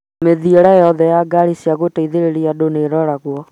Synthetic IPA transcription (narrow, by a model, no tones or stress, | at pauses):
meðieɾajɔðɛjaɡaɾisiaɣotaiðeɾeɾiadoneɾɔɾaɣwɔ